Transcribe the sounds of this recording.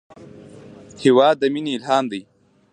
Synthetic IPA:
hiwaːd̪ːɐminiːlhɑːnd̪ij

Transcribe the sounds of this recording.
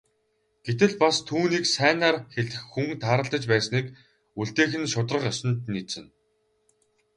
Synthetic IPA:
ɡ̥et̪ɘ̆ɮpast̪ʰuːniːksæːnaːrxeɮɘ̆xːuŋt̪ʰaːɾə̆ɬt̪ə̆t͡ɕpæːsniːk | uɬt̪eːxɘ̆nʃʊt̪rə̆χjɔsə̆nt̪niːt͡sɘ̆n

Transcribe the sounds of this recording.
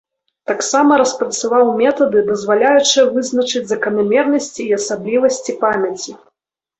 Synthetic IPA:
t̪aksamɐɾɐspɾɐt̪savawmʲɛt̪ɐd̪ɨd̪ɐzvalʲajut͡ʂɨjɐvɨznɐt͡ʂɨd͡zʲzɐkɐnamʲɛrnɐsʲt͡sʲiːɐsablʲivɐsʲt͡sʲipamʲɐt͡sʲi

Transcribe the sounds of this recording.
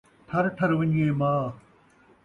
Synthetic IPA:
t̪ʰɐɾʈʰɐɾʋɪɲiẽːmãː

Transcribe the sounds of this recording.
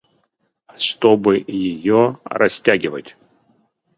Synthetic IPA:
ɐʂt̪obɨjɪjoɾʔɐ̰sʲtʲaɡʲɪvə̰tʲ

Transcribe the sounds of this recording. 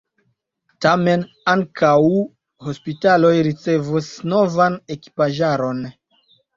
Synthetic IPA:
tame̞n | aŋkʰaw | ho̞spitalo̞jɾit͡se̞vusno̞vane̞ki̥paʒaɾo̞n

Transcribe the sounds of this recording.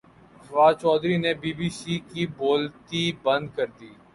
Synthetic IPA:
ʋaːdt͡ʃɔːd̪ɾiːnebiːbiːsiːkiboːlt̪ibə̃nd̪kəɾd̪iː

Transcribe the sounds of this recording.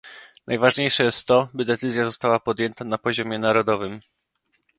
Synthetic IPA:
nʔajvaʐɲejʂɛjɛst̪ːɔbɘd̪ɛt̪sɘzʲjazɔst̪awapɔd̪jɛnt̪anapɔʑɔmʲjɛnaɾɔd̪ɔvɘm

